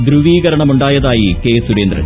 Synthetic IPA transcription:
d̪ɾuʋiːɣɐɾɐɳɐmuɳɖaːjɐðaːjike̞ːsuɽeːnd̪rɐ̰

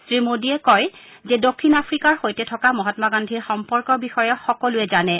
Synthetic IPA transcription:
sɹimodiɛkɔj | zɛdokʰːinapʰɹikaɹxojtɛtʰɔkamɔɦɔtmaɡandʱiɹxɔmpɔɹkɔɹbixɔjɔxɔkɔlʊɛzanɛ

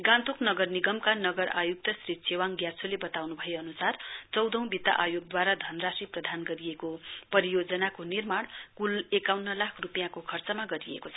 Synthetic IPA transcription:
ɡãnt̪uknʌɡʌrniɡʌmkanʌɡʌɾa̰juk̚t̪ʌsrisʰewaŋɡjart͡sʰolebʌt̪awnubʱʌeʌnusart͡sʌwd̪ʱʌw̃bit̪a̰ʔajoɡ̚d̪waɾad̪ʱʌnrasiprʌd̪ʱanɡʌɾiekopʌɾijod͡zʌnakonirmaɽ̃kulekawnːʌlakʰrupijãkokʰʌrt͡sʌmaɡʌɾiḛkot͡sʰʌ

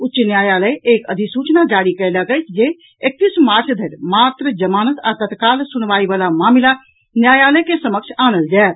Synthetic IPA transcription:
utːt͡ʃnjaːjaləjekəd̪ʱisut͡ʃnad͡ʒaɽikəɪləɡəɪt͡ʃʰd͡ʒe | ek̚t̪ismaːɾt͡ʃʰd̪ʱəɾmat̪ɾəd͡ʒəmaːnət̪a̰t̪ət̪kaːlsunʋaibalamaːmila | njaːjaləkesəməkt͡ʃʰaːnəld͡ʒaet̪

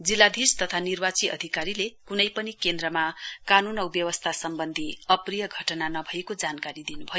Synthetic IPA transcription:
d͡zilːad̪ʱirst̪ʌt̪ʰanirbat͡siʔʌ̰d̪ʱikaɾilekunʌjpʌnikend̪rʌmakanunʌwbjʌwʌst̪ʰasʌmbʌnd̪ʱiʌprijʌɡʱʌʈnanʌbʱʌekod͡zankaɾid̪inubʱʌjo

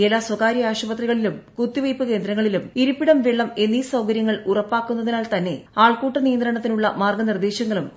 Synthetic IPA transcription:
elːaːswɐkaːɾiaːɕubɐt̪riɣɐɭilumkut̪ːiʋɐjpːɨke̞ːnd̪ɾɐŋːɐɭilumiɾupːiɽɐmʋeɭːɐme̞nːisɐwkɐɾjɐŋːɐɭurɐpːaːkːunːɐðinaːlt̪ɐnːe̞̰aːɭkuːʈːɐnijɐnd̪ɾɐɳɐt̪ːinuɭːɐmaːrɡɐnird̪eːɕɐŋːɐɭum

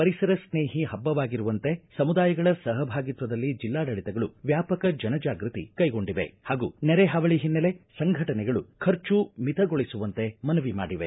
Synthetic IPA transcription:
pɐɾisɐɾɐsneːɦiɦɐbːɐʋaːɡiɾuʋɐnt̪e̞sɐmud̪aːjɐɡɐɭɐsɐɦɐbʱaːɡit̪ʋɐd̪ɐlːid͡ʒilːaːɖɐɭit̪ɛɡɐɭuʋjaːpɐkɐd͡ʒɐnɐd͡ʒaːɡɾɨt̪ḭkɐjɡo̞ɳɖiʋe̞̰haːɡṵnɛɾeɦɐʋɐɭiɦinːɐle̞sɐŋɡʱɐʈɐnɛɡɐɭukʰɐɾt͡ʃumit̪ʰɐɡo̞ɭisuʋɐnt̪e̞mɐnɐʋima̰ːɽiʋe

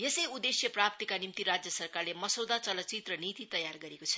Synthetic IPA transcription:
jesʌjud̪esjʌprap̚t̪ikanimt̪iɾad͡zjʌsʌrkarlemʌsowd̪at͡sʌlʌt͡sit̪rʌnit̪it̪ʌjarɡʌɾekot͡sʰʌ̥

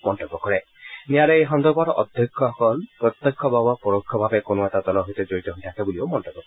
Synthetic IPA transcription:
mɔntɔbːɔkɔɾɛ | nijaɾeeɦɔnd̪ɔɾbaɾɔʔɔd̪ʱjɔkʰːɔɔkɔlpɾɔt̪ːekʰːɔbʱabɔpɔɾokʰːɔbʱabekonoɛtad̪ɔlɔɦot̪ɔd͡ʒoɹit̪ɔɦojtʰakʰebuliomɔntɔbːɔkɔ

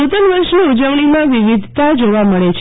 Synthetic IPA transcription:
ut̪ənʋəɾʃniud͡ʒəʋɭ̃imãʋiʋid̪ʱt̪ad͡ʒoʋaməɭet͡ʃʰ

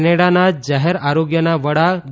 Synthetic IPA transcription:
neɽanad͡ʑaɦeɾaɾoɡjənaʋəɽa

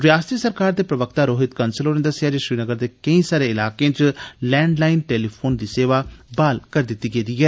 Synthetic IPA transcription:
ɾjaːst̪iːsəɾkaːɾd̪eːpɾəʋəkt̪aːɾoːɦɪt̪kənsəlɦoːnẽːd̪əsɪjaːd͡ʒeːʃɾiːnəɡəɾd̪eːkəĩːsaːɾeːɪlaːkẽːt͡ʃlɛːɳɖlaːinʈeːliːpʰoːnd̪iːseːʋaːbaːlkəɾd̪ɪt̪ːiːɡeːd̪iːɦɛː

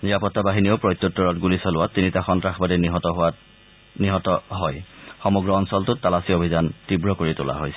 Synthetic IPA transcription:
niapɔtːabaɦiniopɹɔjtːɔtːɔɹɔtɡulisɔlʊwatinitaxɔntɹaxbadɛnɦɔtɔɦa | niɦɔtɔɦɔjxɔmɔɡɹɔɔnsɔltʊtalasiobʱizantibɹɔkoɹitʊ̰la̰ɦojsɛ

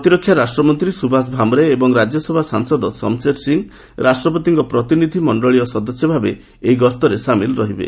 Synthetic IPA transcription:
t̪iɾɔkʰːjaɾasʈɾɔmɔnt̪ɾisubʱas̬bʱamɔɾeːbɔŋɾad͡ʒjɔsebʱasaŋsɔd̪ɔsɔ̰mseʈsiŋ | ɾasʈɾɔpɔt̪̬iŋkɔpɾɔt̪inid̪ʱimɔɳɖɔɭijɔsɔd̪ɔsjɔbʱabe | ejɡɔst̪ɔɾesamilɾɔɦibḛ

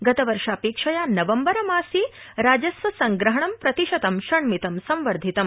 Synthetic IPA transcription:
ɡɐt̪ɐʋɐɾʂaːpeːkʂɐjaːnɐʋɐmbɐɾɐmaːsiɾaːd͡ʒɐsʋɐsɐŋɡɾɐɦɐɳɐmpɾɐt̪iʃɐt̪ɐmʃɐɳmit̪ɐmsɐmʋɐɾd̪ʱit̪ɐm

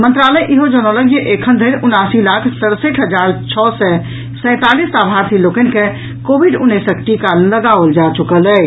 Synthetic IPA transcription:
mə̃nt̪ɾaləjʔiɦod͡ʒənɔləɡjeʔekʰənd̪ʱəɪɾunasilakʰsəɾseʈʰɦəd͡ʒaɾt͡ʃʰɔsɛ | sə̃ɪ̃t̪alisabʱaɾt̪ʰilokənke | kobʱiɖunːesəkʈikaləɡaʋld͡ʒat͡ʃukəlɛ

